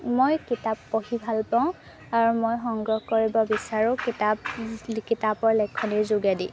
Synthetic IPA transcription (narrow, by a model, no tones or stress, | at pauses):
mojkitapːohibʱalpaʊ̃ | aɹumojxɔŋɡɹɔhkoɹibɔbisaɹʊ̃kitapkitapɔɹlɛkʰːɔniɹzʊɡadi